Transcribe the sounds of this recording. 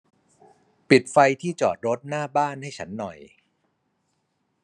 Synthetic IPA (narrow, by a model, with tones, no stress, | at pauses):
pi˨˩t̪̚fa˧jt̪ʰiː˥˩t͡ɕɔ̰ː˨˩t̪̚ɾo˦˥t̪̚naː˥˩baː˥˩nha˥˩jt͡ɕʰa̰˦˥nːɔ˨˩j